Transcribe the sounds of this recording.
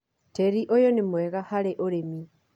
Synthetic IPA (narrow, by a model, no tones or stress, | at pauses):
teɾiʔojonemwɛɣahaɾeʔoɾemi